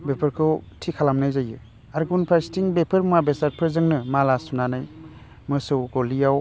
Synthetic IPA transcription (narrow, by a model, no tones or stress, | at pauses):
bepʰɯɾkʰɯwtʰikʰalamnajzajɯ | aɾɡunpʰastiŋbepʰɯɾmabesaɾpʰɯɾzɯŋnɯmalasunanaj | mɯsɯwɡolijaw